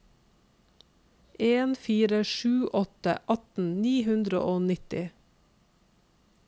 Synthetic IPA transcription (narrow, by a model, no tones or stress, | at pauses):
ʔeːnfiːɾəʃʉːʔɔt̪ə̰ʔɑt̪n̩niːhʉnd̪ɾəo̰ʔoːnɪt̪ɪ